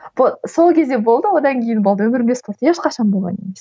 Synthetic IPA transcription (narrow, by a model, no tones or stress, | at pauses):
b̥oso̞lˠkʲʰe̞zd̪e̞bo̞lˠd̪əwo̞d̪ɑŋkʲʰejɪnbolˠd̪əwɵmɪɾmespʰoɾt̪jeʃqɑʃɑnbolˠʁɑ̰nemes